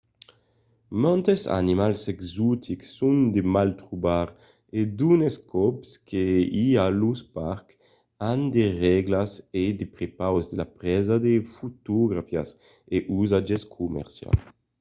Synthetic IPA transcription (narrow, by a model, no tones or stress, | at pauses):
mɔnt̪esa̰nimalsɛɡzut̪ʰiksund̪emalt̪ɾubaɾ | ed̪uneskʰɔpskʰeialuspaɾk | and̪eʁɛɡlased̪epɾepawzd̪ela̰pɾɛzad̪efut̪oɡɾafja̰s | eʔuzad͡ʒeskʰumɛ̰ʁsja̰l